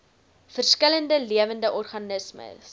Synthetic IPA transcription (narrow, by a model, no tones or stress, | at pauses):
fərskələndəliəvəndəʔɔrχɐnəsmə̰s